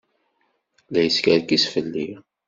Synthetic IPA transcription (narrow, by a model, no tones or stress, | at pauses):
læjəskæɾkisfəlːi